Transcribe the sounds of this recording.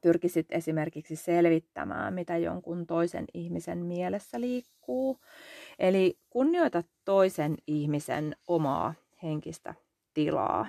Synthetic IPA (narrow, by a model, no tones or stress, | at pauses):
pyrkisit̪esimerkiksiselʋit̪ːæ̰mæ̰ːmmit̪æjo̰ŋkunt̪oisḛnihmisḛnmielesːæliːkːuːʔelikunːio̞it̪ɑt̪ːoisenihmisḛnʔomɑ̰ː | heŋkist̪æ̰ | t̪ilɑ̰ː